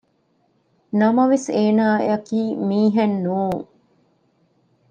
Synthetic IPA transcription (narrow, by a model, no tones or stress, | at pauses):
nɐmɐʋeseːnaːḛɐkiːmiːɦenːuːŋ